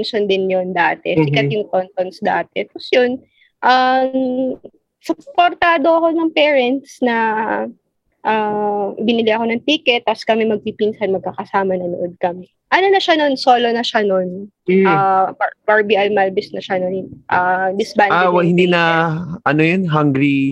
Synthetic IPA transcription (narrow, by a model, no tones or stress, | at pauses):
nsond̪ɪnjond̪aːt̪ɛsɪkɐt̪̚jʊŋkont̪onsd̪a̰ːt̪ɛposjon | ʔam | sʊpoɾt̪aːd̪o̞ɐko̞nɐŋpɛːɹɛnt̪snɐ | ʔabɪnɪlɪʔɐko̞nɐŋt̪ikɛt̪̚ːɐskɐmɛmɐɡ̚pipinsɐnmɐɡ̚kakɐsaːmɐnɐnoʔod̪̚kɐmɛ | ʔɐno̞nɐʃano̞nso̞ːlo̞nɐʃanon | abɐbɐɹbiʔɐlmalbɪsnɐʃanonʔad̪ɪsbandawɪnd̪inɐʔɐnojonɦɐŋɡɾi